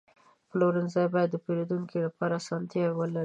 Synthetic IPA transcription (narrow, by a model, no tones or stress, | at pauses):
ploɾanzajbɑjad̪ːəpeɾod̪uŋkʰilapɑɾaːsɑnt̪jɑwəlaɾi